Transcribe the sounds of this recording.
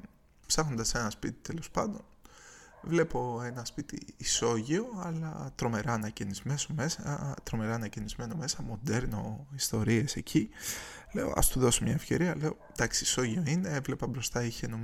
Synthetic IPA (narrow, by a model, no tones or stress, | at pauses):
psɐxno̞nd̪ɐse̞nɐspit̪i̥t̪e̞lo̞spɐnd̪o̞n | vle̞po̞e̞nɐspit̪ḭːso̞ʝio̞ɐlɐ̰t̪ɾo̞me̞ɾɐːnɐcenizme̞some̞sɐt̪ɾo̞me̞ɾɐːnɐcenizme̞no̞me̞sɐmo̞nd̪e̞ɾno̞ist̪o̞ɾie̞se̞cʰile̞o̰ʔɐ̰st̪uðo̞somɲɐe̞fce̞ɾiɐle̞o̞ | d̪ɐksiiso̞ʝio̞ine̞evle̞pɐbɾo̞st̪ɐiçenom